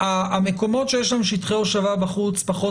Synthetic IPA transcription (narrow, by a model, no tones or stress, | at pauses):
aːme̞ko̞mo̞tʃe̞jeʃ̬lamʃit̪χeoʃavabaχut͡spaχo